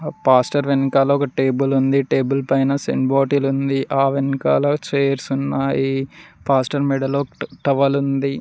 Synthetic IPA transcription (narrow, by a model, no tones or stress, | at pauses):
paːsʈɐɾʋenikaːloːɔkɐʈe̞ːbulund̪iʈe̞ːbulpɐjnɐsḛɳɖboːʈilund̪iʔaːʋenika̰ːloːt͡ʃeːjɐɾsunːaːjipaːsʈɐɾmɛɖɐlːoːʈɐʋɐlund̪i